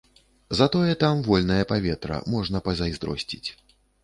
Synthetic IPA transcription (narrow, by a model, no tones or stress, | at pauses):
zɐt̪ɔjɛt̪amvɔlʲnɐjɐpavʲɛt̪ɾɐ̰mɔʐnɐpɐzʲajzd̪ɾɔ̰sʲt͡sʲit͡sʲ